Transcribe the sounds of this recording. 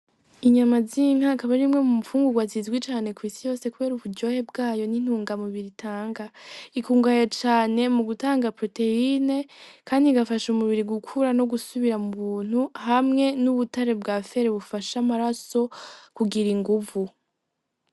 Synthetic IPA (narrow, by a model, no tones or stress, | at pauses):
iɲamaziŋakaβaɾimŋe̞mumufuːŋɡuɡwazizɡwit͡ʃaːne̞kwiːsijo̞ːse̞kuβeːɾuβudɟo̞he̞bɡaːjo̞nin̥huːŋɡamuβiɾitʰaːŋɡaikuːŋɡajot͡ʃaːne̞muɡutaːŋɡapɾo̞te̞ine̞kaːndiɡafaʃumuβiɾiɡukʰuɾano̞ɡusuβiɾamuβuːn̥uhamŋe̞nuβutaɾe̞bɡafe̞ɾeβufaʃamaɾaso̞kuɡiɾiŋɡuvu